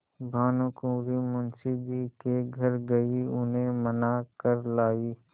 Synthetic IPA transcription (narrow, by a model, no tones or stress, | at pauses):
bʱaːnũkõːɾimʊnsɪdikeɡʱɐɾɡɐiʊnɦẽmɐnakəɾlaːiː